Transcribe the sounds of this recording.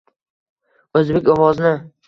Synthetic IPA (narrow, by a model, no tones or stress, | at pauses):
ɵzbekʲɒwɒznɪ